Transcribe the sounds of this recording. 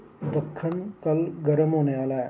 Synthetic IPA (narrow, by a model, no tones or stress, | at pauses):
b̪ʱɐkʰːənkɐlɡɐɾəmɦoːneʋaːlaɦɛ